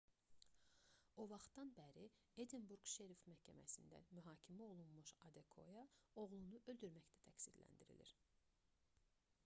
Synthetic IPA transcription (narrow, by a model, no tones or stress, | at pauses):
o̞vɑχt̪d̪ɑnbæɾi | ed̪inbuɾɡʃeɾifmæhcʰæmæ̰sind̪æ̰myɦɑːcʰimæo̞lˠunmuʃɑd̪ekʰo̞jɑo̞ɣlˠunuʔø̞ld̪yɾmæçd̪æ̥t̪ʰæcsid̪læ̰nd̪iɾḭlḭɾ